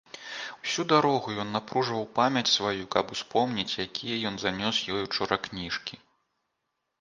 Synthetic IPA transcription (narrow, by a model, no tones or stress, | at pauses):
wsʲud̪aɾɔɣujɔnːapɾuʐvɐwpamʲɐt͡sʲsvajukɐpuspɔmnʲit͡sʲjakʲʰijɐjɔnzanʲɔsjɔjut͡ʂɔɾɐknʲiʂkʲi